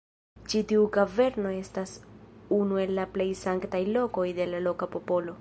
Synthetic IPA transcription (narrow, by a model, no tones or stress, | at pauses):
t͡ʃitiukave̞ɾno̞e̞stasunue̞lːaple̞jsaŋktajlo̞ko̞jde̞lalo̞kapo̞po̞lo̞